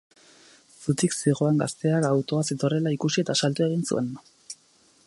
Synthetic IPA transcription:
sut̪iksiɣ̞o̞aŋɡast̪e̞akawt̪o̞aset̪o̞re̞laikusie̞t̪asalt̪ue̞ɣ̞insṵe̞n

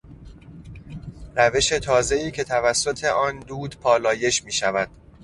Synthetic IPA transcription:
ɾæve̞ʃe̞t̪ʰɒːze̞iːcʰe̞t̪ʰævæsːo̞t̪ʰe̞ʔɒːnd̪uːd̪̥pʰɒːlɒːje̞ʃmiːʃævæd̪̥

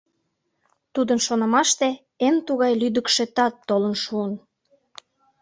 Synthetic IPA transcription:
t̪ud̪ənʃonə̆mɑʃt̪e | ent̪uɣɑjlyd̪əkʃet̪ɑt̪ːolənʃuən

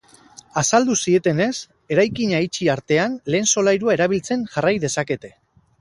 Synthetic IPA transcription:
asald̪usie̞t̪e̞ne̞s | e̞ɾajkiɲait͡ʃiaɾt̪e̞anle̞ːnso̞lajɾuae̞ɾaβ̞ilt͡se̞nʝarajðe̞sake̞t̪e̞

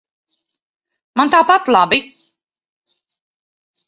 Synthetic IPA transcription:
mant̪aːpat̪lˠabi

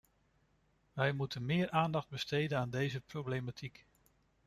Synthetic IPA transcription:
ʋɛjmutənmɪːɹʔaːndɑχd̚bəstejdənaːndejzəprowblejmatʰik

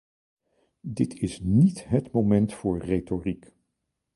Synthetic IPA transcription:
dɪtʰɪsnitɦətmomɛntfʊːɹretorik

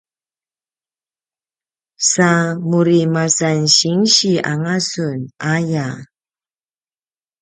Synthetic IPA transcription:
samuɾimasanɕiŋɕiaŋasunaja

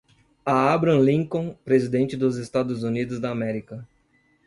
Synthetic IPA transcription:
aabɾɐ̃lĩŋkõpɾezid̪ẽnt͡ʃɪd̪ʊzest̪ad̪ʊzunid̪ʊzd̪ɐːmɛɾikɐ

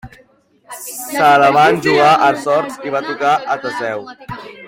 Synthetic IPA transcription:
saðəβanʒuɣaʔəsɔɾsiβat̪ukaʔət̪əsɛw

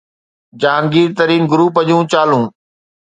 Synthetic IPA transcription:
d͡ʑaːŋɡiːɾt̪əɾiːnɡʊɾuːpəʄũːt͡ɕaːlũː

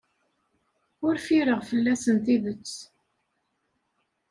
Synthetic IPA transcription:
ʊɾfiɾəʁfəlːæsənt̪iðət͡sː

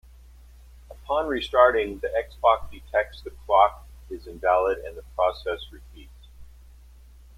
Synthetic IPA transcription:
əpʰɑ̃nɹistɑɹɾɪ̃ŋðiʔɛksb̥ɑk̚sd̥ɨtʰɛk̚tsðɨkʰl̥ɑk | ɪzɨ̃ɱvælˠəɾɨ̰̃nðəpʰɹ̥ɔsɛsɹɨfʰits

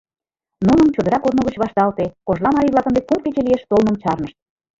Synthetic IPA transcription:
nunə̆mt͡ɕod̪ə̆ɾɑkod̪noɣət͡ɕβɑʃt̪ɑlt̪ekoʒlˠɑmɑɾiβlɑkə̆nd̪ek̚pumket͡ɕelieʃt̪olmə̆mt͡ɕɑrnə̆ʃt̪̚

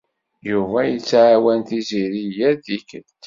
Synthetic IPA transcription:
juvæjət͡sːʕawænt̪iziɾijæd̪ikət̪

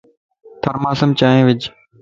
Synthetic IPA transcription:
t̪ʰəɾmaːsəmt͡ʃaːẽːʋɪd͡ʒ

